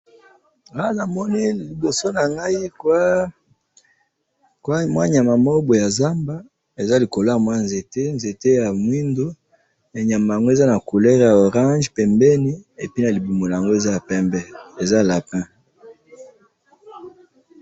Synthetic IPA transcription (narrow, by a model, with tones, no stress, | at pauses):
a˦na˨mɔ˦ni˦li˨bo˨so˦na˨ŋɡa˦i˦kwa˦ | kwa˦mwa˦ɲa˨ma˨mo˦bo˨ja˨za˦mba˦ | e˨za˦li˨ko˨lo˦ja˨mwa˦nze˨te˦nze˨te˦ja˨mwi˦ndo˦ | ja˨ɲa˨ma˨ja˨ŋɡo˦e˦˨za˦na˨ko˨lɛ˦ʁja˨o˨ʁã˦ʒpɛ˨mbɛ˦ni˦e˨pi˦na˨li˨bu˨mo˨la˨ja˨ŋɡo˦e˨za˦ja˨pɛ̃˦mbɛ˦e˨za˦la˨pɛ̃˦